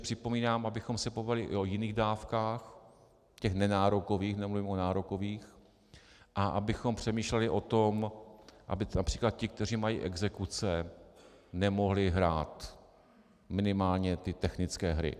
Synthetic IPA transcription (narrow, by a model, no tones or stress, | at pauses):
pr̝̥ɪpo̞miːnaːmʔabɪxo̞msɛpovalɪʔʔojɪniːɣdaːfkaːx | cɛxnɛnaːɾoko̞viːxnɛmluvimonaːɾoko̞viːx | ʔaʔabɪxo̞mpr̝̥ɛmiːʃlɛlɪʔo̞t̪omʔa̰bɪnapr̥iːklat̪̚cɪk̚t̪ɛr̝iːmajḭːʔɛɡzɛkut͡sɛ | nɛmo̞ɦlɪɦɾa̰ːt̪ | mɪnɪmaːlɲɛt̪ɪt̪ɛxnɪt͡skɛːɦɾɪ̰